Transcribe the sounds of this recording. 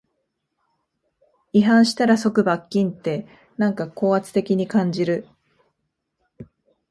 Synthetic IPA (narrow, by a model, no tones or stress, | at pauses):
iɦãɰ̃ɕi̥t̪aɾaso̞kɯ̟bakʲːĩnt̪e̞ | nãŋkako̞ːat͡sɨ̥t̪e̞kʲiɲ̟ikãɲ̟d͡ʑiɾɯ̟